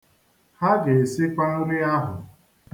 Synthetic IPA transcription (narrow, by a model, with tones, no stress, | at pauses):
ha˦ɡe˨e˨sɪ˦ka˦no˦ɾi˦a˦ɦʊ̰˨